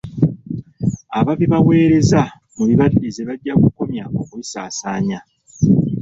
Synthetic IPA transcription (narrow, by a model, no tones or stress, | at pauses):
aβaβiβawe̞ːɾe̞za | muβiβaɾiezeβaɟːakuko̞mjao̞kuisaːsaːɲa